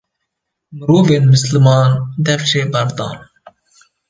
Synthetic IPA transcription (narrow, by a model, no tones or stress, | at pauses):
mɨɾuːveːnmɨslmɑːnd̪ɛfʃeːbɐɾd̪ɑ̰ːn